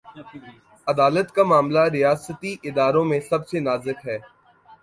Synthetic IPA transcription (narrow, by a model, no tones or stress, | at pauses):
ɐd̪aːlət̪kamaːmlaɾɪjaːsət̪iʔɪd̪aːɾõmẽsɐbsenaːzɪkɦɛː